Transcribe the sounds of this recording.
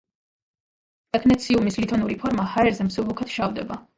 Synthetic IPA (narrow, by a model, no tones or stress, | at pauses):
t̪ʼɛkʰnɛt̪sʰiumislit̪ʰɔnuɾipʰɔɾmahaɛɾzɛmsulˠukʰɛt̪ʃavd̪ɛba